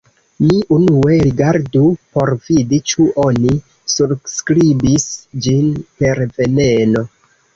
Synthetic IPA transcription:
miʔunue̞ɾiɡaɾdupo̞ɾvidit͡ʃuʔo̞ni | subskɾibisd͡ʒinpe̞ɾve̞ne̞no̞

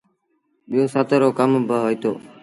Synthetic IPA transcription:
ɓɪjoːsat̪əɾoːkəmbəɦoːit̪o̰ː

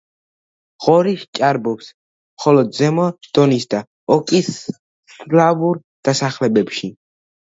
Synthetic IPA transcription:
ʁ̥ɔɾiʃt͡ʃʼaɾbɔps | mχɔlɔd̪̚zɛmɔd̪̥ɔnisd̪a | ɔkʼis | slavuɾ | d̪̥asaχlɛbɛpʃi

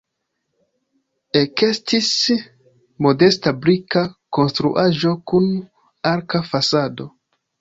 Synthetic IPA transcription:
eke̞stis | mo̞de̞stabɾikako̞nstɾṵʔaʒo̞kun | aɾkafasado̞

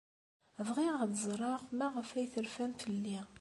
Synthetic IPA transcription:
əvʁiʁd̪zˤɾˤɑʁmæʁəfæjθəɾfæmfəlːi

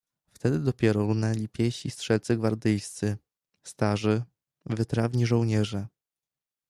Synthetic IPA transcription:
ft̪ɛd̪ɘd̪ɔpʲjɛɾɔɾunɛlʲipʲjɛɕist̪ʂɛlt̪sɘɡvaɾd̪ɘjst̪sɘ | st̪aʐɘ | vɘt̪ɾavɲiʐɔwɲɛʐɛ

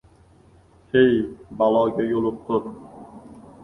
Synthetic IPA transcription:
hejbalˠɒːɡʲajolˠʊp̚t̪ʰʊɾ

